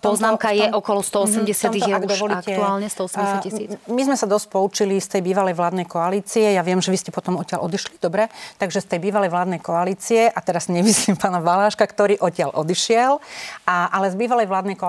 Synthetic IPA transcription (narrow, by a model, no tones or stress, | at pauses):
pɔznaːmkajɛʔɔkɔlɔst̪ɔɔsɛmɟɛsɪaɔmt̪iɛaɡd̪ɔʋɔliakcɛuaːlɲɛst̪ɔɔsɛsaisiːmizmɛsad̪ɔsc̚pɔut͡ʃilist̪ɛjbiːʋalɛjʋlaːd̪nɛjkɔaliːt͡siɛjaʋɪɛmʒɛʋiscɛpɔt̪ɔmɔcɪalʔɔd̪iʃlid̪ɔbɾɛt̪aɡʒɛst̪ɛjbiːʋalɛjʋlaːd̪nɛjkɔaliːt͡siɛʔat̪ɛɾaz̥ɲɛmisiːmpaːnaʋalaːʃkakt̪ɔɾiːʔɔcɪalʔɔd̪iʃɪɛlaʔalɛzbiːʋalɛjʋlaːd̪nɛjkɔ